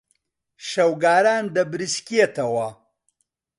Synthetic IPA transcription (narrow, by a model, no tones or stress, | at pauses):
ʃɐwɡaːɾaːnd̪ɐbɾɨskiet̪ʰɐwɐ